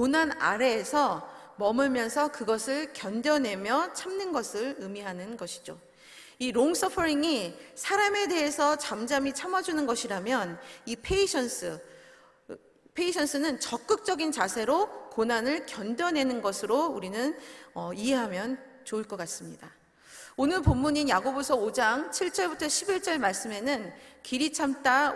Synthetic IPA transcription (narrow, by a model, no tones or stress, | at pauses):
konana̰ɾe̞ːsʰʌmʌmɯɭmjʌnsʰʌkɯɡʌsʰɯɭkjʌndjʌne̞mjʌt͡ɕʰamnɯnɡʌsʰɯɭɯmiɦanɯnɡʌɕʰi̥d͡ʑo | iɾoŋs͈ʰʌpʰʌɾiŋisʰaɾame̞de̞ɦesʰʌt͡ɕamd͡ʑamit͡ɕʰamad͡ʑunɯnɡʌɕʰiɾamjʌnipʰe̞iɕʰʌns͈ɯ | pʰe̞iɕʰʌns͈ʰɯnɯnt͡ɕʌk̚k͈ɯk̚t͡ɕ͈ʌɡint͡ɕasʰe̞ɾokonanɯɭkjʌndʌnɦe̞nɯnɡʌsʰɯɾouɾinɯnʌiɦe̞ɦamjʌn | t͡ɕoɯɭk͈ʌk͈as͈ɯmɲida | onɯɭpomːuɲinjaɡobosʰʌod͡ʑaŋt͡ɕʰiɭt͡ɕ͈ʌɭbutʰʌɕʰibiɭt͡ɕ͈ʌɭmaɭs͈ɯme̞nɯnkiɾit͡ɕʰamt͈a